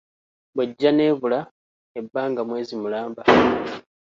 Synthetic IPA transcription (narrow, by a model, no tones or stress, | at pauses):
bweɟːane̞ːβula | ebːaːŋɡamwe̞ːzimulaːmba